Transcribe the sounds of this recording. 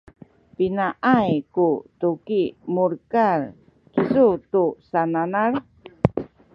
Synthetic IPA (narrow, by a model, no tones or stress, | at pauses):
pinaʔajkutukimuɾkar | kizutusananar